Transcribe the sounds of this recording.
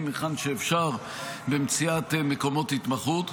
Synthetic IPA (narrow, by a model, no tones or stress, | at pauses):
miχanʃeːfʃaʁ | bemt͡siat̪meko̞mo̞thit̪maχut̪